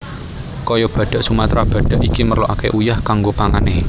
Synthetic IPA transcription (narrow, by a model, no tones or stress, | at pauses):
kɔjɔb̥ä̤ɖ̥a̤ʔsumat̪ɾʔab̥ä̤ɖ̥ä̤ʔikimərlɔʔakeʔujahkaŋɡopaŋane